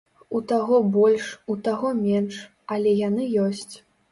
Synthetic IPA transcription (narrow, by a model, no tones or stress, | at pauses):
ut̪aɣɔbɔlʲʂut̪aɣɔmʲɛnʂ | ɐlʲɛjanɨjɔsʲt͡sʲ